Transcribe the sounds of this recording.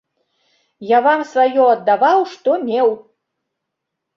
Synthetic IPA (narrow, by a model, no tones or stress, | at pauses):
jaβɑmsvajɔːd̪ːɑβɑwʃt̪omʲew